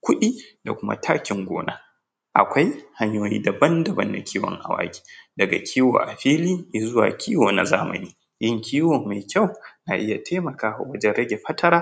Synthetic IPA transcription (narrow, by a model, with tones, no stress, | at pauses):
kʷʊ˦ɗiː˦da˨kʷʊ˦ma̰˦tʰaː˦kʲɪ˨ŋɡʷo̰ː˦na˦ | ʔa̰˨kʷa˦jha˦ɲjoː˦jḭː˦dɐ˨bɐ˦ndɐ˨bɐ̰˦nːa̰˨kʲʰiː˦wɔ̰˨ŋʔa̰˨wa̰ː˦ɡʲi̥ː˦dɐ˨ɡa̰˨kʲʰiː˦wo̰ː˨ʔa˨ɸiː˦liː˦ji˨zʊ˦wa̰ː˨kʲiː˦woː˨na̰˨zaː˦mɐ̰˨niː˦ | jɪ˦ŋkʲʰiː˦woː˨mːa˨jkʲa˦˨wna˨ʔɪ˦ja˨tʰe˦mɐ˨kaː˦wa̰˨wɐ˦d͡ʒɛ˦nɽɐ˦ɡʲe˨ɸɐ˦tʰɐ˦ɾaː˦